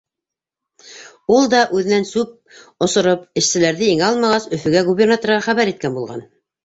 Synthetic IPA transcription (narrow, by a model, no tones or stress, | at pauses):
ulˠd̪ɑʔʉðɘ̆nænsʉp̚ | ŏsŏɾopɘ̆ʃsɘ̆læɾðɘiŋæɑlˠmɑʁɑsɵ̆fɵ̆ɡæɡubʲernat̪oɾʁɑχæβæɾit̪kænbulˠʁɑ̰n